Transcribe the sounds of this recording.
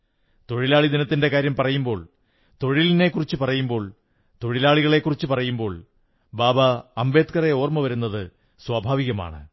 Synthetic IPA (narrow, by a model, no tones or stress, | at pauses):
t̪o̞ɻilaːɭid̪inɐt̪ːinde̞kaːɾjɐmpɐrɐjumbo̞ːɭ | t̪o̞ɻiline̞kːurit͡ɕːɨpɐrɐjumbo̞ːɭ | t̪o̞ɻilaːɭiɣɐɭe̞kːurit͡ɕːɨpɐrɐjumbo̞ːɭ | baːbɐɐmbe̞ːt̪kɐre̞o̞ːrmɐʋɐɾunːɐðɨ | swabʱaːʋiɣɐma̰ːɳɨ̰